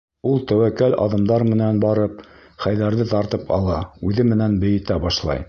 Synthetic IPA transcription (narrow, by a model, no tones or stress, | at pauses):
ulˠt̪æwækælɑ̰ðɤ̆md̪ɑɾmɘ̆nænbɑɾɤp̚ | χæjðæɾðɘt̪ɑɾt̪ɤpʰɑ̰lˠɑʉðɘmɘ̆nænbɘ̆jɘ̆t̪æbɑʃlˠɑ̰j